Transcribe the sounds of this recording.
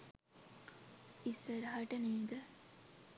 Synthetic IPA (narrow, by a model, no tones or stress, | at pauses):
isəɾəɦaʈəneːd̪ə